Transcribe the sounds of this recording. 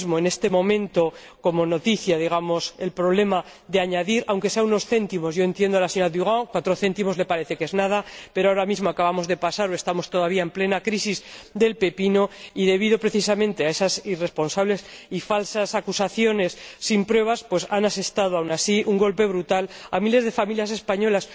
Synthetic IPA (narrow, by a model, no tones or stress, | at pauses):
zmoene̞st̪e̞mõ̞mẽ̞nt̪o̞ | ko̞mo̞no̞t̪iθjaðiɣ̞amo̞se̞lpɾoβ̞le̞ma | ðeaɲaðiɾawŋkeseauno̞sθe̞nt̪imo̞zʝo̞e̞nt̪je̞nd̪oalaseɲo̞ɾaðuɣaŋkwat̪ɾo̞θe̞nt̪imo̞zle̞paɾe̞θe̞ke̞znað̞ape̞ɾoaoɾamizmoakaβamo̞zðe̞pasaɾoe̞st̪amo̞st̪o̞ðaβ̞iaemple̞nakɾisizd̪e̞lpe̞pino̞iðe̞β̞iðo̞pɾe̞θis̬amẽ̞nt̪e̞ae̞sasire̞spo̞nsaβle̞sifalsasakusaθjo̞ne̞sːimpɾwe̞βaspwe̞sanase̞st̪aðoawnasiʔuŋɡo̞lpe̞β̞ɾut̪ala̰mile̞zðe̞familjas̬espaɲo̞las